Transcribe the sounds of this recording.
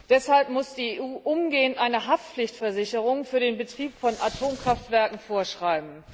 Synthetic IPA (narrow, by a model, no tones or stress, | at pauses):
d̥ɛshalpmʊsd̥iːeʔuːʔʊmɡeːəntʔaɪnəɦaftp͡flɪçtfɛɐzɪçəʁ̞ʊŋfyːɐdeːnbətʁ̥iːpfɔnʔatʰoːmkʁ̥aftv̥ɛɐkŋ̩foːɐʃʁ̥aɪbm̩